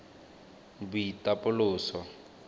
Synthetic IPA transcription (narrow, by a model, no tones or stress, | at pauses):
bʊitʼapʼʊlʊːsɔ